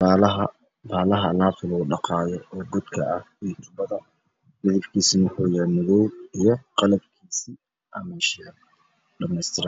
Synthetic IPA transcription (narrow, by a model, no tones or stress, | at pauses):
aːlɐɦɐ | baːlɐɦɐlaːfɪlɔɖɑqɑːjɔɔːɡʊd̪kʰɐɐh | it̪ʰʊbɐðɐ | mɪðɪfkʰiːsinwʊħuːjaːmʊðɔwijɞqɑlɐbkʰiːsiː | ʔɐmɛʃɪal | ɖɐmɛjst̪ʰɪɾ